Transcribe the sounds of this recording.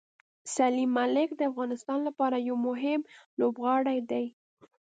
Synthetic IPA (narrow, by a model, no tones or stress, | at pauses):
salimːalɪkd̪əafɣɑnɪst̪ɑnlapɑɾajawmʊɦɪmlobɣɑɽajd̪aj